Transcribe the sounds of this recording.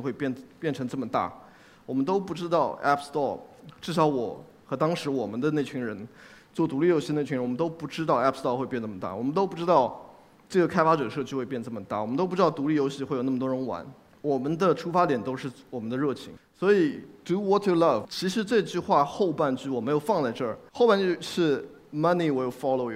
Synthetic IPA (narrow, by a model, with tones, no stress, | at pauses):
ŋxwe˥˧ɪpjɛ˥˩npjɛ˥˩nʈ͡ʂʰɤ˧˥ŋʈ͡ʂɤ˥˩mə˩t̪a̰˥˩ | wɔ˨˩mə˦nt̪o˥ʊpu˥˩ʈ͡ʂɻ̩˥t̪ɑ˥˩ʊʔɛ˥pʰst̪ɔ˥˩ʈ͡ʂɻ̩˥˩ʂɑ˧˥ʊwɔ˨˩˦ | xɤ˧˥t̪ɑ˥ŋʂɻ̩˧˥wɔ˨˩mə˦nd̪ə˧ne˥˩ɪt͡ɕʰy˧˥ŋɻə˧˥n | t͡swɔ˥˩t̪u˧˥li˥˩jo˧˥ɕi˥˩ə˧nʰ˥˩y˧˥ɻwɔ˨˩mə˦nt̪o˥ʊpu˥˩ʈ͡ʂɻ̩˥t̪̬ɑ˥˧ʊɛ˥pʰst̪ɔ˥˧xwe˥˧ɪpjɛ˥˧nʈ͡ʂɤ˥˩mə˩t̪a̰˥˩wɔ˨˩mə˦nt̪o˥ʊpu˥˩ʈ͡ʂɻ̩˥t̪ɑ˥˩ʊ | ʈ͡ʂɤ˥˩ɡə˩kʰa˥ɪfa˥ʈ͡ʂɤ˨˩ə˦ʂɤ˥˧t͡ɕʰy˥˧xwe˥˧pjɛ˥˧nə˩ʈ͡ʂə˥˩mə˩t̪a̰˥˩wɔ˨˩mə˦nt̪o˥pu˥˧ɻ̩˥ɑ˥˩t̪u˧˥li˥˩jo˧˥ɕi˥˧xwe˥˩jna˥˩mət̪wɔ˥ɻə˧˥nwa̰˧˥˦n | wɔ˨˩mə˦nd̪ə˧ʈ͡ʂʰu˥fa˥t̪jɛ˨˩nt̪o˥ʊʂɻ̩˥˩wɔ˨˩mə˦nd̪ə˧ɻɤ˥˩t͡ɕʰḭ˧˥ŋswɔ˧˥i˨˩tu˧˥wɔ˧˥tʰːu˨lɐ˥˩vt͡ɕʰi˧˥ʂɻ̩˧˥ʈ͡ʂɤ˥˧i˧t͡ɕy˥˧xwa˥˧xo˥˧ʊpa˥˧nt͡ɕy˥˩wɔ˨˩me˧˥jo˨˩ʊfɑ˥˧ŋt͡sa˥˧ɪʈ͡ʂɤ˥˩xo˥˧ʊpa˥˧nt͡ɕʂɻ̩˥˩ | mɐ˥ni˨˩we˧˥˩fɑ˥lo˨˩ʊ˨